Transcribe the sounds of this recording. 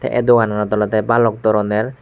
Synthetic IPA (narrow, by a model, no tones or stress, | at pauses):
t̪ʰɛ̰ʔɛ̰d̪okanaɾad̪ɔlɔt̪ɛbalɔk̚d̪ɔɾɔneɾ